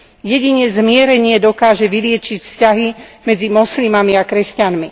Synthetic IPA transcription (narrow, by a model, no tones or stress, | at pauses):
jɛɟiɲɛzmɪɛɾɛɲɪɛd̪ɔkaːʒɛʋilɪɛt͡ʃicfscaɦimɛd͡zimɔslimamiakɾɛscanmi